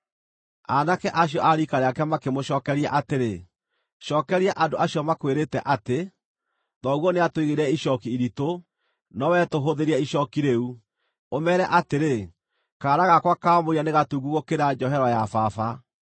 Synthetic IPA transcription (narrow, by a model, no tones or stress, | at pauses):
anakɛʔaɕ̬iɔʔaɾikaɾeakɛmakemoɕɔːkɛɾiaʔateɾe | ʃɔːkɛɾiaʔandoʔaɕjɔmakweɾetɛʔate | ðɔɣwɔneatwiɣeɾɛiɕɔkiːɾito | nɔwɛtoɦoðeɾiɛiɕɔkiɾeu | omɛɾɛʔateɾe | kaːɾaɣakwakaːmoianeɣatuɡuɣokeɾad͡ʒɔɦɛɾwajafafa